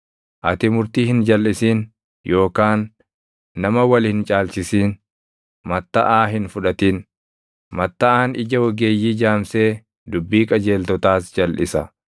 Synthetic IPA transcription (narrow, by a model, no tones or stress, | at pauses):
ʔɐt̪ɪmʊɾt̪iːhɪnd͡ʒɐlːɪsiːn | jo̞ːkaːnː | ɐmɐwɐlhɪnt͡ʃʼaːlsɪsiːn | mɐt̪ːɐ̰ʔaːɦɪnfʊᶑɐt̪iːn | mɐt̪ːɐʔaːnɪd͡ʒɐwɐɡeːjːiːd͡ʒaːmse̞ː | d̪ʊbːiːkʼɐd͡ʒe̞ːlt̪ɔt̪aːsd͡ʒɐlʔɪ̰sɐ